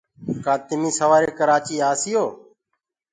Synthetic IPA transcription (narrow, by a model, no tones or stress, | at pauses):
kãːt̪ɪmiːsəʋaːɾeːkəɾaːt͡ʃiːaːsɪjoː